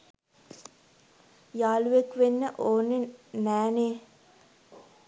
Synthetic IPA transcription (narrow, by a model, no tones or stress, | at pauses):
jaːluʋekʋenːəʔoːnːenæːneː